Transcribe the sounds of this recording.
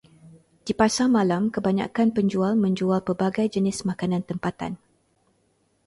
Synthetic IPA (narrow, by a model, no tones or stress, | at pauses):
d̥ipasamãlamkəbaɲa̰kanpəɲd͡ʒualmə̃ɲd͡ʒualpərbaɡajd͡ʒənɪsmãkanãnt̪əmpat̪a̰n